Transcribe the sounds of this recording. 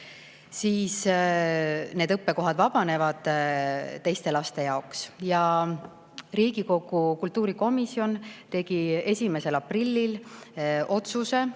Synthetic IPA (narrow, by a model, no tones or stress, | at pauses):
siːs | ne̞ːd̪ɤpːe̞ko̞ɦɑd̪vɑb̥ɑne̞vɑd̪̥ | t̪ːe̞jst̪e̞lɑst̪e̞jɑoksjɑ | riːɡ̥iko̞ɡ̥ukult̪ːuːɾiko̞misio̞nt̪e̞ɡ̥ie̞sʲime̞se̞lɑprilʲːil | ʔo̞t̪suse̞